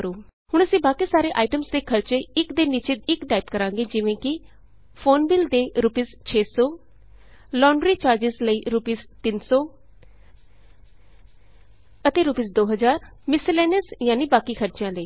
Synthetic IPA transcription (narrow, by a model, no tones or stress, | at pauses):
ɾoː | hʊɳ̃əsĩːbaːkiːsaːɾeːʔaːiʈəmsd̪eːkʰəɾt͡ʃeːɪkd̪eːnːiːt͡ʃeːɪkʈaːɪpkəɾãːŋɡeːd͡ʒɪʋẽːkɪ | fʰoːnbɪlɖ̪eːɾupiːst͡ʃʰeːsɔː | lɔːɳɖɾiːt͡ʃaːɾd͡ʒɪzləiːɾupiːst̪ɪnsɔː | ət̪eːɾuːpiːsd̪oːɦəzaːɾmɪsɪlɛːnəsjãːniːbaːkiːkʰəɾt͡ʃjãːləiː